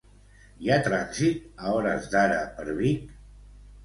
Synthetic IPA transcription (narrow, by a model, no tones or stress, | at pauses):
jat̪ɾaksit̪aɔɾə̰zd̪aɾəpəɾβik